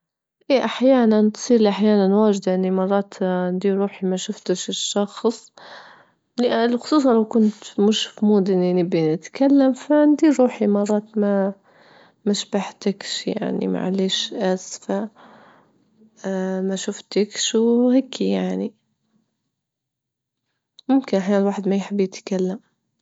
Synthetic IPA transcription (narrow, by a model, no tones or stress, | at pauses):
ʔeːʔaħjaːnant̪sˤiːɾliʔaħjaːnanwaːd͡ʒd̪ʔɪnːimɑrˤːɑːt̪nd̪iːɾɾuːħimaʃʊft̪ɪʃɪʃːɑxsˤ | llxʊ̥sˤuːsˤɑnlawkʊnt̪mʊʃfmuːd̪ɪninɪbːinɪt̪kalːamfand̪iːɾuːħimɑrˤːɑːt̪ma | maʃbaħt̪ɪkʃja̰ʕnḭma̰ʕa̰leːʃʔasfa | maʃʊft̪ɪkʃwhaːkʰːijaʕni | mʊmkɪnʔaħjaːnɪlwaːħɪd̪majħɪbːjɪt̪kalːam